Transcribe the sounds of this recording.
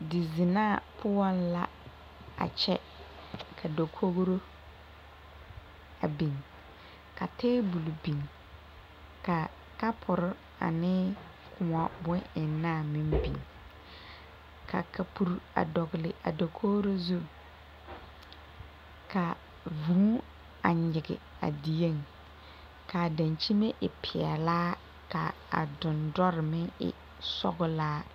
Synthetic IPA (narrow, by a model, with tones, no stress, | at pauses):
dɪ˨zɪ˨naː˦˨pʰʊ˦wɔ˦nla˦ | a̰˨t͡ʃɛ˦ | kʰa˨do˨kʰo˦ɣɾo˦ | a̰˨bi˨ŋ | ka˨tɛː˦bu˨lbi˨ŋ | ka˨ | ka˦pʰʊ˨ɾɪ˦ | a̰˨nɪ˦ | kʰʊ˨ŋa˨bʊ˦ɪ˨nːaː˦˨mi˦mbḭ˨ŋ | kʰa̰˨kʰa˨pʰu˨ɾa̰˨dɔ˨ɡlɪ˨ʔa̰˨dɔ˨kʰoː˦ɾo˦zu˦ | kʰa˨ | vũ˨˦ | a˨ɲɪ˨ɡɪ̰˨ | a̰˨di˨e˦˨ŋ | kʰa˨dã˨ɲt͡ʃi˦me˦ʔɪ˨pʰɪ˨ɛ̰˨laː˦ | ka˨ | a̰˨dʊ̃˨ndɔ˦ɾɪ˨mɪ̃˦ŋɪ̰˨ | sɔ̰˦ɡʊ˦laː˦